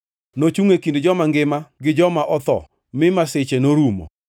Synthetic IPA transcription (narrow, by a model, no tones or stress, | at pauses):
not͡ʃuŋekindd͡ʒɔmaŋɡɪmaɡɪd͡ʒɔmaʔɔt̪ɔ̰ | mɪmasɪt͡ʃenoɾumo̰